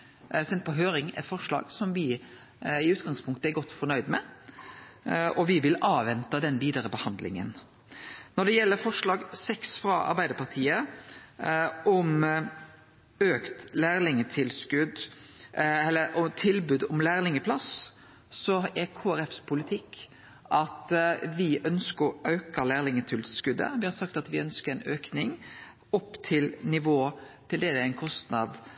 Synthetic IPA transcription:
sɛnt̪̚pɔɦøːɾɪŋɛ̰t̪fɔʂɭɑ̰ːɡ̥sɔmʋɪ | ɪʉːt̪ɡɑŋspʰʊŋk̚t̪əɛɾɡɔt̪ːfɔɾnœʏd̪mɛ | ɔʋɪʋɪlɑːʋɛnt̪ɑd̪ɛnʋiːd̪əɾəbəhɑnd̪lɪ̰ŋə̰n | nɔd̪ɛjɛlːəɾfɔʂlɑːɡsɛksfɾɑɑ̰ɾbæɪd̪əɾpɑɾt̪ʰiːə | ʔɔm | øːkt̪læːɾlɪŋət̪ʰɪlskʉd̪ | ɛlːəɾɔt̪ʰɪlbʉd̪ɔmlæːɾlɪŋəpʰlɑs | sɔɛkʰoːæɾɛfspʰʊlɪt̪ʰɪkː | ʔɑt̪ʋɪʔœnskəɾɔʔɑʉkəlæːlɪŋət̪ʰɪlskʉd̪ə̰ʋɪhɑɾsɑk̚t̪ɑt̪ʋɪœnskəɾɛnøːknɪŋ | ɔpːt̪ʰɪlnɪʋoːt̪ʰɪld̪ɛd̪ɛæɛɪnkʰɔst̪nɑd̪

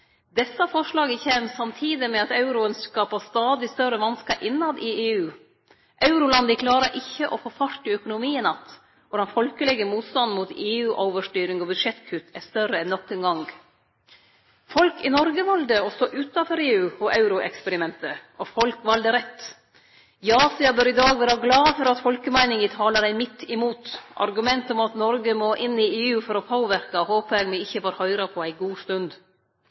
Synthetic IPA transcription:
d̪ɛsːɑfɔʂɭɑːɡəçeːmsɑmt̪ʰiːd̪ɪmɛɑt̪ɑʉɾʊənskɑpɑst̪ɑːd̪ɪst̪œrəʋɑnskəɾʔɪnːɑd̪ɪeːʉː | ʔɑʉɾʊlɑnd̪əkʰlɑːɾəɾʔɪçːəʔɔfɔfɑɾʈːɪœkʊnʊmiːənɑt̪ | ʋɔɖɑnfɔlkəlɛɡəmuːt̪st̪ɑnmut̪eːʉːʔoʊʋəʂʈyːɾɪŋɔbʉd̪ʂɛt̪kʰʉt̪ʰɛst̪œɾəɛnːɔkːənɡɑŋɡ | fɔlkɪnɔɾɡəʋɑld̪əɔst̪oːʔʉːt̪ɑfɔɾeːʉːɔʔɑʉɾʊʔɛ̰kspɛɾɪmɛnt̪əʔɔfɔlkʋɑld̪əɾɛt̪ː | jɑːsɪɑbøːɾɪd̪ɑːɡʋæːɾɑɡlɑːfɔɾɑt̪fɔlkəmæɪnɪŋət̪ʰɑːləɖæɪmɪt̪ːɪmuːt̪ʔɑ̰ɾɡʉmɛnt̪ɔmɑt̪nɔɾɡəmoːʔɪnːieːʉːfɔɾɔpʰoːʋæɾkɑɔhoːpəɛɡmɛɪçːəʋɑːɾhœʏɾɑpʰɔæɪɡuːst̪ʉnd̪

